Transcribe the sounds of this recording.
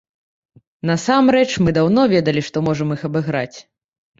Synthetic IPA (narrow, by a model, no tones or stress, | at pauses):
nɐsamɾɛt͡ʂmɨd̪awnɔvʲɛd̪ɐlʲiʂt̪ɔmɔʐɐmixɐbɨɣɾa̰t͡sʲ